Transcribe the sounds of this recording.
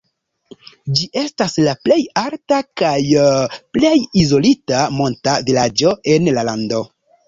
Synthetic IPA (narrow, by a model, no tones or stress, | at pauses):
d͡ʒiʔe̞staslaple̞jaɾtakajple̞jizo̞litamo̞ntavilad͡ʒo̞ʔe̞nlalando̞